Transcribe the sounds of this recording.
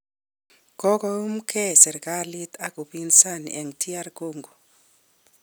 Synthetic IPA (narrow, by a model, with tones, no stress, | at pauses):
ɡ̥ʱɔ˦kɔu˦m̩˦kʰɛsɛ˨ɾkʼali˦tʰaku˨pinsa˦nḭʔɛ˨ŋtʰi˦a˦ɾkoːŋɡu˨